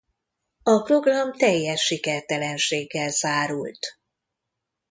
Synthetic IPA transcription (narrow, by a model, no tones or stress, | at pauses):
ɒpro̞ɡrɒmt̪ɛjːɛʃːikɛrt̪ɛlɛnʃeːɡːɛlzaːɾult̪